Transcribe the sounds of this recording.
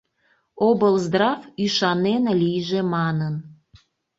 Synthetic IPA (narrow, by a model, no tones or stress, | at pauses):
obəlzd̪rɑfyʃɑnenlijʒemɑnən